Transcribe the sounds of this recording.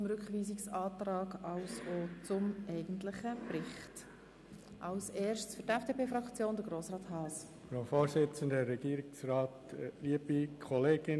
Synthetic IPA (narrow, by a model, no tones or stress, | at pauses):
ʊmɾʏkχʋiːsiksɑːtrɑːɡɑwsot͡sʊmɛɪɡ̥əntlɪχəprɪχt | ʔɑwsɛːɾʃtsfʏtɛfd̥eːpʰeːfɾɑkt͡sjoːnd̥̪əɾɡ̥ɾoːsɾɑːthɑːs | fɾaʊfoːɾsɪt͡sən̩dəɾːɛɡ̥iːɾɪksɾɑːtliəbikʰɔleːɡɪn